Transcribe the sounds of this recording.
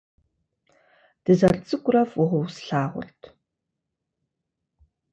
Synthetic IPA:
d̥ɨzɐrt͡sʼɨkʷʼʊrɐfʊʁɔwsɬaːʁʷʊ̰ɬtʰ

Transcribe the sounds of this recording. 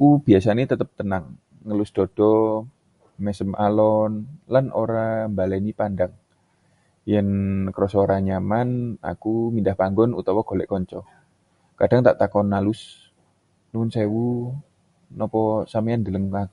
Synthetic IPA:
akub̥iasanet̪ət̪əp̚t̪ənaŋː | əlʊsd̪̥ɔ̤d̥ɔ | mɛsəmʔalɔnlanʔoɾambalɛnipandaŋ | jɛnkəɾɔsoɾaɲamana̰kumindahpaŋɡɔnut̪ɔwɔɡ̥o̤lɛʔkɔɲt͡ʃɔ | kad̥aŋt̪aʔt̪akɔnːalʊs | nuʊnsewu | nɔpɔsameand̪ələŋak

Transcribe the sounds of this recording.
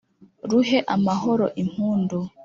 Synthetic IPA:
ɾuɦeʔamahoɾo̰ʔim̥uːndu

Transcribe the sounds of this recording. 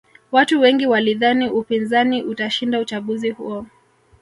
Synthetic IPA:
watuwɛŋɡiwaliðaniʔupinzaniʔutaʃindaut͡ʃaɠuzihṵɔ

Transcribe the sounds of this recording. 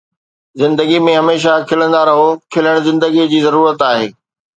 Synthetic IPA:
zɪ̃nd̪əɡimẽɦɐmeːʃ̬akʰɪlə̃nd̪aɾɐɦokʰɪləɽ̃zɪ̃nd̪əɡid͡ʑiːzɐɾuːɾət̪aːɦeː

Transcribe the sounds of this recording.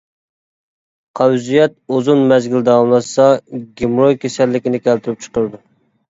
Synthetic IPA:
qʰɑwzijɛt̪̚ozunmɛzɡʲild̪ɛɑlmlˠɑsɑɡʲemɾojkʲʰesɛlːɪkʲinɪkʲɛlt̪ʰyɾyp̚t͡ʃʰə̥qəɾɨd̪u

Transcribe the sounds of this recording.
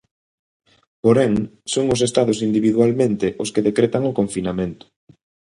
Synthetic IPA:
poɾɛŋsoŋʊs̬est̪aðʊsind̪iβiðwalmẽnt̪ɪʔoskeðekɾet̪aŋokoɱfinamẽnt̪ʊ̥

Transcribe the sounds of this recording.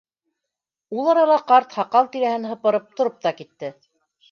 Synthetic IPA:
ulˠɑɾɑlˠɑqɑɾt̪hɑqɑlˠt̪iɾæhɘnɦɤ̆pɤ̆ɾɤp̚t̪ŏɾop̚t̪ɑkit̪ːɘ

